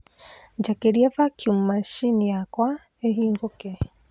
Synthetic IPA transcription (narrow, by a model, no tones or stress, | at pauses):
d͡ʒakeɾiɛvakʰjumumaʃinijakwa | eɦiːŋɡokɛ